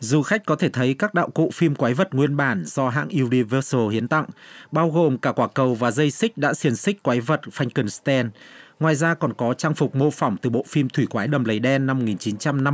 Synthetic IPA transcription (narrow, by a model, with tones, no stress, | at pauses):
zu˨˩xa˦˥k̟̚kɔ˨˦t̪ʰe˧˩t̪ʰə˨˦jkaː˦˥k̚ɗa̰ː˧˨wkṵ˧˨fi˧mkwaː˨˦jvə˨˩t̚ŋwi˧ənɓaː˧˩nz̥ɔ˧ɦa̰ː˧˨ŋʔu˧ni˧vəː˧so˧hi˨˦ənt̪a̰˧˨ŋɓaː˧wɣo˨˩mkaː˧˩kwaː˧˩kə˨˩wvaː˨˩zə˧jsï˦˥k̟̚ɗa̰ː˧˥si˧ənsï˦˥k̟̚kwa˨˦jvə˨˩t̚fa˧jŋ̟kɨ˨˩nst̪ɛ˧nŋwaː˨˩jzaː˧kɔ˨˩nkɔ˨˦t͡ɕaː˧ŋfʊ˨˩k͡p̚mo˧fɔ˧˩wŋ͡mt̪ɨ˨˩ɓo̰˧˨fi˧mt̪ʰwi˧˩kwaː˨˦jɗə˨˩mlə˨˩jɗɛ˧nːa˧mo˨˩ŋi˨˩nt͡ɕi˨˦nt͡ɕa˧mna˧